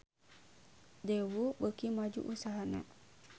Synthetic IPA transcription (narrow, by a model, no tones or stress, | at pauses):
dewubəkimad͡ʒṵʔusaɦana̰